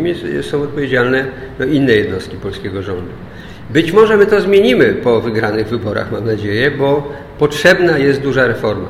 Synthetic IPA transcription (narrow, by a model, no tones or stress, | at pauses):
mʲisɔ̃w̃ɔt̪̚pɔvʲjed͡ʑalnɛ | d̪ɔinːɛjɛd̪nɔst̪kʲipɔlskʲeɡɔʐɔnd̪u | bɘt͡ɕmɔʐɛmɘt̪ɔzmʲjeɲimɘpɔvɘɡɾanɘɣvɘbɔɾa̰xmamnad͡ʑejɛbɔ | pɔtʂɛbnajɛst̪̚d̪uʐaɾɛfɔɾma̰